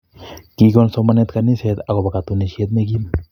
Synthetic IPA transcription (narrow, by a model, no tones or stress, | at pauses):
kiɡonsomanet̪kaniset̪akobakat̪unisjet̪meɡim